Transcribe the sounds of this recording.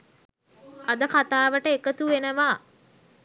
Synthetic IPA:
ad̪əkat̪aːʋəʈəekət̪uʋenəʋaː

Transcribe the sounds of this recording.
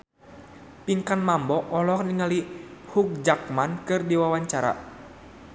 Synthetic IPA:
piŋkanmambɔʔɔlɔkniŋalihuk̚d͡ʒak̚mankɨrdiwawaɲt͡ʃaɾa̰

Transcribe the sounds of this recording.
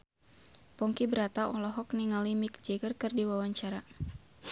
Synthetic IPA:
pɔŋkibəɾat̪aɔlɔɦɔk̚niŋalimik̚d͡ʒɛɡərkɨrdiwawaɲt͡ʃaɾa

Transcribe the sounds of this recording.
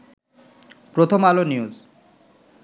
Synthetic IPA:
pɾot̪ʰomaloniuz

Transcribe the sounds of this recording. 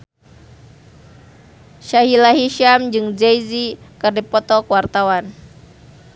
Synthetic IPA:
ʃaɦilaɦiʃamd͡ʒɨŋd͡ʒɛjzikɨrdipɔt̪ɔkwart̪awan

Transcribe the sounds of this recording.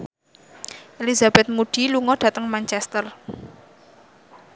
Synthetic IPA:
ʔelizab̥ɛt̪̚muɖ̥iluŋɔɖ̥ä̤t̪əŋmant͡ʃɛst̪ər

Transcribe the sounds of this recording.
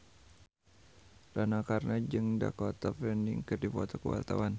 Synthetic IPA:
ɾanakarnad͡ʒɨŋda̰kɔt̪afɛndḭŋkərdipɔt̪ɔkəwa̰lt̪a̰wan

